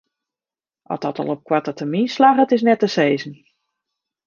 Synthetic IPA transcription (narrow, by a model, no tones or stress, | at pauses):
ʔɔ̰tdɔtɔ̰lˠɔp̚kwatətəminslaχətɪs̬nɛtəseːzən̩